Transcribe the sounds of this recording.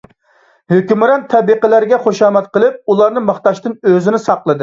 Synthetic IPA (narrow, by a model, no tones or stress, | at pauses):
høkʲymɾɛnt̪ʰɛbiqəlæɾɡʲɛχoʃɑːmɛt̪̚qəlˠɨp̚ulˠɑɾnɨmɑχt̪ɑʃt̪ɨnøzɪnɪsɑqlˠɨd̪ɨ